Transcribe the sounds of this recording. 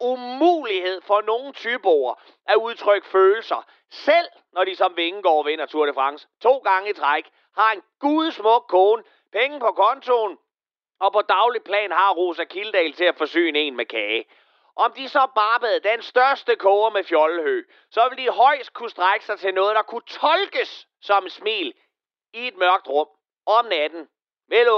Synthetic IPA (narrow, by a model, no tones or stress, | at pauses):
umṵːlihe̝ð̞̰ˠfɒ̽no̝ːn̩t͡sʰyb̥oːɐ | ʔæuð̞ˠt͡sʰʁœɡ̥føːl̩sɐ | sel̰ | nɒd̥isɒ̽mʋe̝ŋ̩ɡ̥ɒ̰ːʋen̰ɐt͡sʰuɐ̰ɾ̥əfʁɑ̈ŋst͡sʰo̝̰ːɡ̥ɑ̈ŋəit͡sʰʁaɡ̥ | hɑ̈e̝nɡ̥uð̞ˠsmɔ̽ɡ̥̚kʰɔːnə | pʰeŋəpɒ̽kʰɒ̽nt͡sʰo̝ːn | ɒ̽pʰɒ̽d̥ɑ̈ʊlid̚pʰlɛ̰ːnhɑ̈ʁo̝̰ːsækʰiləd̥ɛ̰ːlt͡sʰe̝læfɒ̽sø̰ːne̝̰ːnmekʰɛː | ʔɒɒ̽md̥isɒ̽b̥ɑ̈ːb̥əð̩ˠd̥æensd̥ɶɐsd̥əkʰɔːɐmefjɒ̽lhø̰ː | sɒ̽ʋe̝ld̥iɦɒ̽ɪ̰sd̥̚kʰusd̥ʁaɪɡ̥ə̥sɑ̈ɪt͡sʰe̝lnɔ̽ːð̞̩ˠd̥ɑ̈kʰut͡sʰɒ̽lɡ̥əsː | ɒ̽msmḭːl | ie̝d̥̚mɶɐɡ̥d̥ʁɔ̽m̰ | ɒmnæd̥n̩ | mel